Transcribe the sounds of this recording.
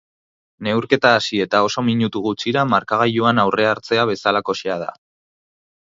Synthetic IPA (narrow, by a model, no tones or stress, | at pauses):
ne̞wɾke̞t̪aːsie̞t̪ao̞so̞miɲut̪uɣut͡ʃiɾamaɾkaɣ̞ajuanawre̞aɾt͡se̞aβ̞e̞salako̞ʃeað̞a̰